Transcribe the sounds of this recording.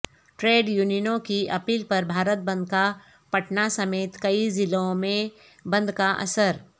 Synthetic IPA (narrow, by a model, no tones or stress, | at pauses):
ʈɾeːɖjuːninõkiɐpiːlpɐɾbʱaːɾət̪̚bɐ̃nd̪̚ka | pɐʈnasɐmeːt̪kɐizɪlõmẽ | bɐ̃nd̪kaʔɐ̰səɾ